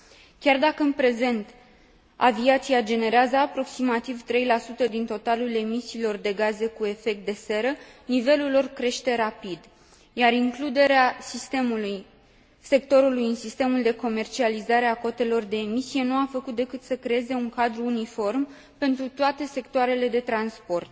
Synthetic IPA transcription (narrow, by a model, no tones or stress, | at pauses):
kʲard̪akəɨnpɾe̞ze̞nt̪ | a̰viat̪siad͡ʒe̞ne̞ɾeazəapɾo̞ksimat̪ivt̪ɾe̞jlasut̪əd̪int̪o̞t̪alule̞misiːlo̞rd̪e̞ɡaze̞kue̞fe̞k̚t̪̚d̪e̞se̞ɾənive̞lulːo̞rkɾe̞ʃt̪e̞ɾapid̪ | jaɾiŋklud̪e̞ɾeasist̪emuluj | se̞k̚t̪o̞ɾulujɨnsist̪emuld̪e̞ko̞me̞rt͡ʃializaɾe̞ako̞t̪e̞lo̞rd̪e̞ːmisije̞nuafəkut̪̚d̪e̞kɨt̪səkɾe̞eze̞uŋkad̪ɾuːnifo̞rm | pe̞nt̪ɾut̪oat̪e̞se̞kt̪oaɾe̞le̞d̪e̞t̪ɾanspo̞rt̪̚